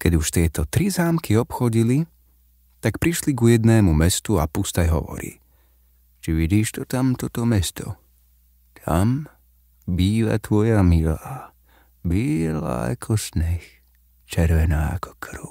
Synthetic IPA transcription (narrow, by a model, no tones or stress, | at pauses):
kɛɟuʃt̪ɪɛt̪ɔt̪ɾizaːmkiɔpxɔɟili | t̪akpɾiʃliɡujɛd̪nɛːmumɛst̪uapust̪ajɦɔ̰ʋɔ̰ɾḭː | t͡ʃiʋiɟiːʃt̪ɔt̪amt̪ɔt̪ɔmɛst̪ʰɔ̰ | t̪ʰa̰m | biːʋa̰t̪ʋɔjamilaː | biːla̰a̰kʰɔsɲɛx | t͡ʃɛɾʋɛnaːa̰kɔ̥kʰɾʊ